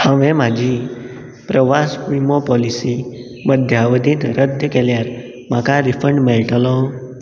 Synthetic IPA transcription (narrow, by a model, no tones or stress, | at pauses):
həʋẽmãd͡ʒi | pɾəʋaspimopɔlisi | məd̪ʱjaʋəd̪ʱit̪ɾəd̪ʱjəkeljaɾ | makaɾifəɳɖmelʈəlɔ